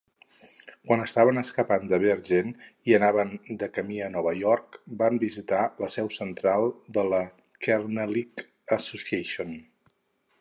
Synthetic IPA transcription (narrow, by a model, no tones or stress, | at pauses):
kwanəst̪aβ̞ənəskəpand̪əβeɾʒeniənaβənd̪əkəmiənɔβəjɔɾkbambizit̪aləsɛwsənt̪ɾalˠd̪ələ | kɛrnəlik | əsusieʃion